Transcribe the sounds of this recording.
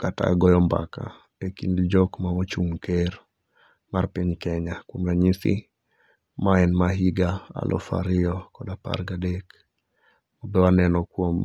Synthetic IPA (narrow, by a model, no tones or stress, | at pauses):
kata̰ɡɔjɔmba̰ka̰ | ekindid͡ʒokmawot͡ʃuŋkeɾ | maɾpiɲkɛɲakumɾaɲisḭ | maɛnmaɦiɡaa̰lʔɔ̰fa̰ɾiɔkɔdapa̰ɾɡadek | mobɛwanɛnɔkwom